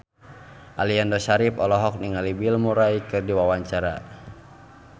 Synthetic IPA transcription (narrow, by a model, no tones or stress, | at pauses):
ʔaliandɔʃaɾipɔlɔɦɔk̚niŋalibilmuɾaikɨrdiwawaɲt͡ʃaɾa